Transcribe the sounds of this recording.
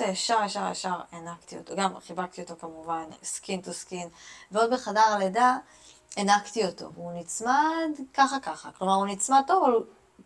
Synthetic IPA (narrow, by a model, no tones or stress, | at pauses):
eeʃaʁeʃaʁḛʃaʁenakt̪iot̪oɡamχibakt̪io̞t̪okamuvanskint̪oskinveo̞dbeχadaʁaleda | enaktio̞to̞̰vunit͡smad̪kaχakaχa̰klo̞maʁunit͡smad̚t̪o̞volu